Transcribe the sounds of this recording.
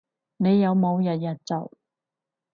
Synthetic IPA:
ne˨˧jːɐ˨˧wmo˨˧wjɐ˨t̚jɐ˨˩t̚t͡sɐ˨˩w

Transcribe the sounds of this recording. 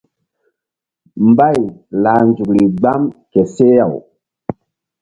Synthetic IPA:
mba˦˨jla˨nd͡ʒu˨kli˨ɡ͡ba˦mke˨se˦ja˨w

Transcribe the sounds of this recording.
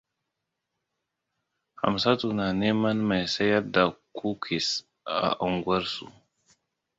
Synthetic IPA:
ha̰˨msa˦tu˨na˨ne˦ma˦nma˨jsa˦ja˦da˨kʰu˦kʰi˨s | a̰˨ʔa˨ŋɡu˦ɐ˦ɾsṵ˦˨

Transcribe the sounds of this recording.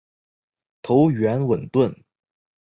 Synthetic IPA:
t̪ʰo˧˥ʊɥɛ˧˥nwə˨˩nt̪wə˥˩n

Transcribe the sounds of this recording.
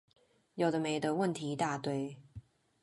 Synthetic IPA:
jo˨˩d̪ə˦me˨˩ɪd̪ə˧wə˥˨nt̪ʰi˨˥t̪a˥˧t̪we˥˩ɪ

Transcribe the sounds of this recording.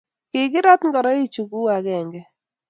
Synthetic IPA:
kɪ˨ɡɪ˦ɾɔ˦t̪ŋɡɔ˨ɾɔ˦i˦t͡ʃu˨ɡu˦a˨kɛ˨ŋɡɛ˦

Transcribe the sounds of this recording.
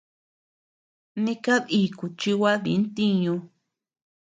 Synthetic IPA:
nĩ˧ka˦ði˨ku˨t͡ʃi˧wa˦ðḭ˨˦nt̪i˦ɲũ˧

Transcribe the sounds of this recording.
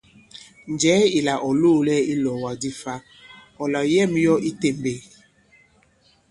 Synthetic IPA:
n˨d͡ʒɛː˨˦i˨la˨ʔɔ˨lo˦˨lɛ˦i˦lɔ˨wa˨di˦fa˦ | ɔ˨la˨jɛ˦˨mjɔ˦ʔi˦te˨mbe˨

